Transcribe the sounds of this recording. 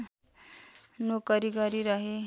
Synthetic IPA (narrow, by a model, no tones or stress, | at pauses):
nokʌɾiɡʌɾiɾʌɦe